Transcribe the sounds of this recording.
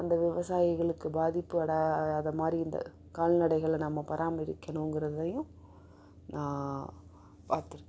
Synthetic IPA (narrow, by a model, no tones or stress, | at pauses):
ɐnd̪ɐʋɪʋɐsaːjɪɣɐɭɯkːɯbaːðɪpːɯɐɽɐɐðɐmaːd̪ɾiɪnd̪ɐ̰ | kaːlnɐɽɐɪɣɐɭnɐmːɐpɐɾʔaːmɐɪɾɪkːɐɳʊ̃ŋɡɪɾɐðɯðɐjʊ̃ | nãː | paːɾt̪ɪɾɯkː